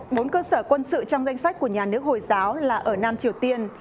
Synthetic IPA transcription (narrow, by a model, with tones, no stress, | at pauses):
ɓo˨˦nkəː˧səː˧˩kwə˧nsɨ̰˧˨t͡ɕɔ˧wŋ͡mza˧jŋ̟sa˦˥k̟̚ku˧˩əɲaː˨˩nɨ˦˥ək̚ho˨˩jzaː˨˦wlaː˨˩ʔəː˧˩naː˧mt͡ɕi˨˩əwt̪i˧ən